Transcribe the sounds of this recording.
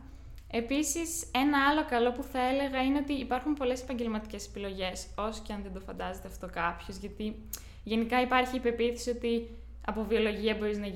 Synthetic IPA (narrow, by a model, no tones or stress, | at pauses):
e̞pisise̞nɐɐlo̞kɐlo̞puθɐe̞le̞ɣɐineo̞t̪iːpɐɾxumpo̞le̞se̞pɐɲɟe̞lmɐt̪i̥ce̞se̥pilo̞ʝe̞so̞so̥ceɐnðend̪o̞fɐnd̪ɐze̞t̪eɐft̪o̞kɐpço̞zʝɐt̪i | ʝe̞nikɐipɐɾçiːpe̞piθisio̞t̪i | ɐ̰po̞vio̞lo̞ʝiɐbo̞ɾiznɐ